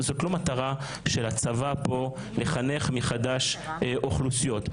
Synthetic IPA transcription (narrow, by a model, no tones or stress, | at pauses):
zo̞tlo̞mat̪aʁa | ʃelat͡savapo̞ | le̞χane̞χmiχad̪aʃʔoχlusijo̞t̪